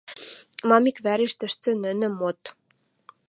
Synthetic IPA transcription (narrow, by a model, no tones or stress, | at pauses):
mɑmikβæɾiʃt̪ɘ̆ʃt͡sɘ̆nɘ̆nɘ̆mot̪